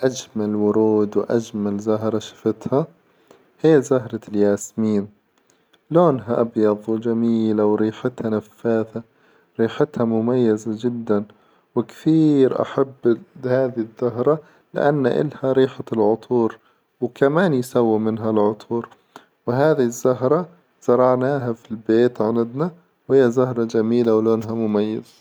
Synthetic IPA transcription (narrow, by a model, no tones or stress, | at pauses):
ʔad͡ʒmalwʊɾuːd̪wʔad͡ʒmalzaɦɾˤɑʃḁfɪt̪ha | hiːzahɾˤɑljaːsmiːn | loːnɦaʔabjɑðˤwd͡ʒamiːlawɾiːħɪt̪hanafːaːθa | ɾiːħɪt̪hamʊmajːazad͡ʒɪd̪ːan | wɪkθiːɾʔa̰ħabːhaːðɪɪzːʊɦɾˤɑ | lɪ̰ʔa̰nːa̰ʔɪ̰lhaɾiːħalʕʊt̪ˤʰuːɾ | wkamaːnjsawːimɪnɦalʕʊt̪ˤʰuːɾ | wɪɦaːðɪɪzːʊɦɾˤɑ | z̥ɑɾˤɑʕnaːɦafilbeːt̪ʕanad̪na | whɪjːazʊhɾˤɑd͡ʒamiːlawloːnɦamʊmajːa̰za